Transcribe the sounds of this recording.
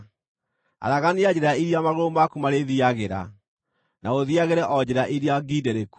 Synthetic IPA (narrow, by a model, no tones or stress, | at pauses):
a̰ɾaɣaniad͡ʒɛɾaiɾiamaɣoɾomakumaɾeðiaɣeɾa̰ | naoðiaɣeɾɛʔɔd͡ʑɛɾaʔiɾiaɡidɛɾeku̥